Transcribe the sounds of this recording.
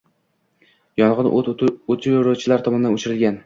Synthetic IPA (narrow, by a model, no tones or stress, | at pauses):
jɒnʁɨnot̪ʰɪɾot͡ʃʰɪlaɾt̪ʰɒmɒnɪd̪anot͡ʃʰɪɾɪlɡʲan